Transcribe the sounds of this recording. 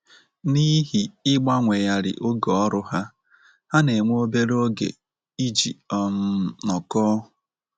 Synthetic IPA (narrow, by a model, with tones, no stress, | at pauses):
ni˦ɦi˨ɪ˦ɡ͡ba˦ŋʷe˨ja˨ɾɪ̰˨ʔo˦ɡɔ˨ɔ˦ɾʊ˦ɦa˦ | ha˦ne˨ŋʷ˦o˦be˦ɾo˦ɡḛ˨ | i˦d͡ʒi˨ɔ˦m̩˦nɔ˨kɔ˦